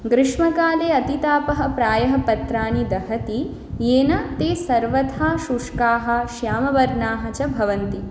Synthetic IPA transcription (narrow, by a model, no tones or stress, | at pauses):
ɡɾɪʂmɐkaːleːɐt̪it̪aːpɐɦɐ̆pɾaːjɐɦɐ̆pɐt̪ɾaːnid̪ɐɦɐt̪i | eːnɐt̪eːsɐɾʋɐt̪ʰaːʃuʂkaːɦɐ̆ʃjaːmɐʋɐɾnaːɦɐt͡ʃɐbʱɐʋɐnt̪i